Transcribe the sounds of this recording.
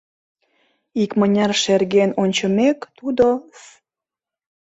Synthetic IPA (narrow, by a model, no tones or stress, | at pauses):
ikmənʲɑrʃerɣenonʲt͡ɕəmekt̪ud̪o